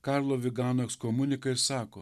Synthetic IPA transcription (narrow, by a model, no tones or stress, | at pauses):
kɑɾlˠoːʋʲɪɡɑːnokskomʊnʲɪkɐɪɾsɑːkoː